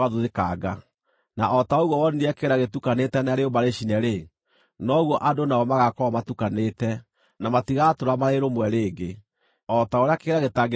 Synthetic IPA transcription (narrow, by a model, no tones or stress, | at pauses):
aðuðekaɡa | naʔɔtaoɣwɔwɔneniakeɾaɣetukanetɛnaaɾeomaɾeɕinɛɾe | nɔɣwɔʔadonaɔmaɣakɔmatukanetɛ | namatiɣatoɾamaɾeɾomwɛɾeːɡe | ɔtaoɾeakeɾaɣetaɡ